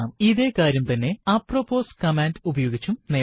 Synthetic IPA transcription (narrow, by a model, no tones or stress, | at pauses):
miðe̞ːkaːɾjɐmt̪ɐnːe̞apropːoːskɐmendubɐjoːɡit͡ɕːumne